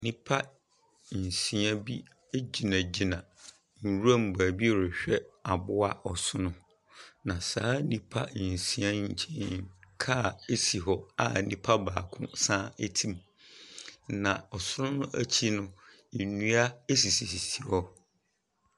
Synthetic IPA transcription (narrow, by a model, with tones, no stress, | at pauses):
nĩ˦pʰa˦˨ | sĩ˦ã˦bi˦ | e˦d͡ʑi˨nã˨d͡ʑi˨nã˨ | n̩˨ɾu˦a˦˨m̩˨ba˨bi˦˨ɾɛ˨ɕᶣɛ˦a˨bʊ˦a˦ʔɔ˨sʊ˦nʊ̃˦ | nã˨saː˨˦nĩ˦pʰa˦˨sĩ˦ã˦ɲ̩˦t͡ɕʰẽ˦nkʰa˦˨e˦si˨ɦɔ˦a̰˨nĩ˦pʰa˦baː˨kʰʊ̰̃˦sãː˦e˦tʰĩ˦m | nã˨ɔ˨sʊ˦nʊ̃˦nʊ̃˦ʔæ̰˦t͡ɕʰi˦nʊ̃˦ | i˨nũ˦a˦e˦s̬i˨si˨si˨si˨hɔ˦